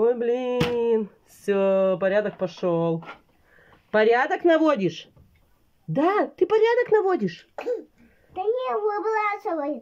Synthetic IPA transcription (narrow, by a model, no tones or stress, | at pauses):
ojʲblʲinfsʲopɐɾʲad̪ək̚pɐʂolˠ | pɐɾʲad̪əknɐvo̞dʲɪʂ | d̪at̪ɨpɐɾʲad̪əknɐvodʲɪʂ | t̪ɐnʲivobɨlˠaasolˠoj